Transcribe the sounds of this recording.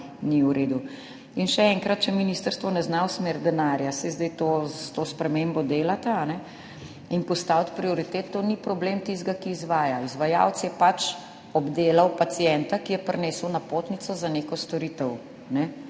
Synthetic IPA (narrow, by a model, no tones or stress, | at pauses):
niuɾeːd̪u | inʃɛɛŋkɾat̪t͡ʃɛminiːst̪əɾst̪ʋɔnɛznawsmeːɾd̪ɛnaːɾjasɛjzd̪ɛjt̪ot̪oːspɾɛmembɔd̪eːlat̪aːnɛ | inpɔst̪awt̪pɾioɾit̪eːt̪ːoːnipɾɔbleːmt̪izt̪ɡakiːzʋaːjaizʋaja̰wt̪sjɛpat͡ʃ | ɔbd̪eːlɐwpat̪sijɛnt̪akijɛpɾneːsəwnapoːt̪nit̪sɔzaneːkɔst̪ɔɾit̪əw | nɛ